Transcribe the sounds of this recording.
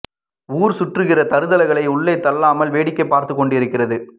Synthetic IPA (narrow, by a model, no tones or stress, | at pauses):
uːɾsʊʈrɯɣɪrɐt̪ɐɾɯðɐlɐɪɣɐɭɐɪʊɭːɐɪt̪ːɐlːaːmɐlʋeːɽɪkːɐɪpːaːɾt̪ɯkːɔɳɖɪɾɯkːɪrɐðɯ